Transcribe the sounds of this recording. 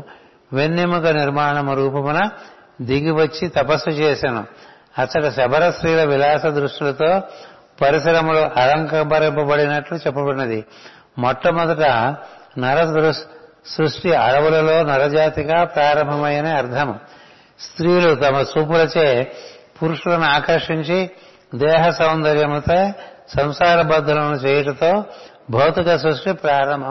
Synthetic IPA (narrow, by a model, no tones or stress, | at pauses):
ʋenːimukɐniɾmaːɐɳɐmɐɾuːpɐmunɐ | d̪iɡiʋɐt͡ʃːit̪ɐpɐsːut͡ʃeːsɐnṵ | ɐt͡ʃːɐʈɐʃɐbʱɐɾɐsɾiːlɐʋilaːsɐd̪ɾuʂʈilɐt̪o̞ː | pɐɾisɐɾɐmuluʔɐɾɐŋkɐbɐɾɐmpɐbɐɽinɐʈlut͡ʃɛpːɐbɐnːɐd̪i | mɔʈːɐmɔd̪ɐʈɐnɐɾɐɾu | sɾuʂʈiɐ̰ɽɐʋulɐlo̞ːnɐɾɐd͡ʒaːt̪ikɐpɾaːɾɐmbʱɐmɐjɐneɐɾd̪ʰʱɐm | st̪ɾiːlut̪ɐmɐsuːpulɐt͡ʃeːpuɾuʂulɐnuaːkɐɾʂiɲt͡ʃi | d̪ɛːɦɐsɐwnd̪ɐɾjɐmt̪eː | sɐmsaːɾɐbɐd̪ʱːɐlɐnut͡ʃeːjɐʈɐt̪o̞ː | bʱɐwt̪ikɐsɾuʂʈipɾaːɾɐmbʱɐm